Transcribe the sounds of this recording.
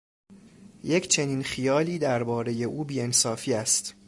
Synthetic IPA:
je̞cʰt͡ʃʰe̞niːnxijɒːliːd̪æɾbɒːɾe̞je̞ʔuːbiːe̞nsɒːfiːæst̪

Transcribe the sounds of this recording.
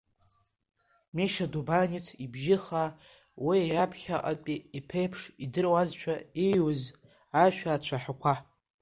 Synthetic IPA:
meʃadubanit͡sʰibʒɪχa | wiapʰχʲaʔʼa̰pʼiipʰejpʰʂidɨrwazt͡ʃʷʰaejwʊz | aʃʷᶣaːt͡ɕʷʰaħakʷʰa

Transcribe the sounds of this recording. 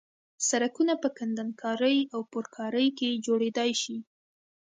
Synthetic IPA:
saɾakunapəkand̪ankʰɑɾəjawpʊɾkʰɑɾəjked͡ʒoɽed̪ɑjʃi

